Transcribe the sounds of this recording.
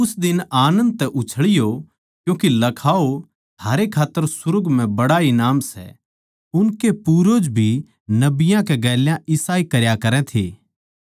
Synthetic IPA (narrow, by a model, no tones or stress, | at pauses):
ʊsd̪ɪnaːnə̃nd̪̚t̪ɛʔʊt͡ʃʰəɭɪjo | kjũːkilɐkʰaːo | t̪ʰaːɾekʰaːt̪ːəɾsʊɾʊɡmɛ̃bɐɽainaːmsɛ̰ | ʊnkepuːɾod͡ʒbʱi | nɐbɪjãkeɡɛːljãʔɪsaːikɐɾjakɐɾɛ̃t̪ʰḛː